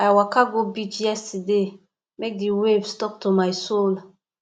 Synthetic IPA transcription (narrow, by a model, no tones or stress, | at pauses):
ajwakaɡobit͡ʃjɛstde | mek̚diwebstɔk̚tumajsol